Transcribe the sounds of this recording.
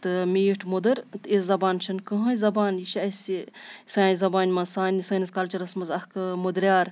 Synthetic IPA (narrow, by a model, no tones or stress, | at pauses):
t̪ɨmiːʈʰmud̪ɐɾt̪ɨiszɐbaːnt͡ʃʰɐnkɐɦɐjzɐbaːnjiʃɐsisaːnzɐbaːnʲmɐzsaːnʲisɐːnɐskɐlt͡ʃɐɾɐsmɐzɐkmud̪ɾʲjaːɾ